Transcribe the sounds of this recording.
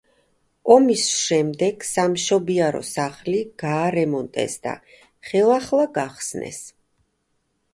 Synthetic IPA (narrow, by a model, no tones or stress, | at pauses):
ɔmisʃɛmd̪ɛɡ̥samʃɔbiaɾɔ̰saχliɡ̥aːɾɛmɔnt̪ʼɛ̰sd̪a̰ | χɛlˠaχlˠaɡaχsnɛ̰s